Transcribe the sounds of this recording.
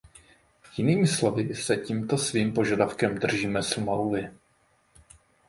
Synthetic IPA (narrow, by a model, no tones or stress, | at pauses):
jɪniːmɪslo̞vɪsɛciːmt̪o̞sviːmpo̞ʒadafkɛmd̪r̩ʒiːmɛsumalulɪ